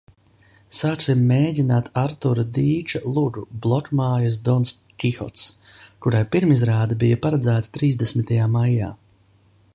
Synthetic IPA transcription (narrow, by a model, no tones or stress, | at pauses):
saːksimːeːɟʲinaːt̪ʰaɾt̪uɾad̪iːt͡ʃalˠuɡ̪ublˠɔkmaːjasd̪ɔns | kʲixɔ̰t̪s | kuɾajpiɾmizɾaːd̪abijapaɾad̪zæːt̪ḁt̪ɾiːzd̪esmit̪ajaːmajːa̰ː